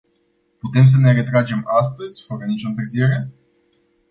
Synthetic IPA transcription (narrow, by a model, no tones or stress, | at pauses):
put̪e̞ms̬əne̞re̞t̪ɾad͡ʒe̞mas̬t̪əzʲfəɾənit͡ʃo̞ɨnt̪ɨrzie̞ɾe̞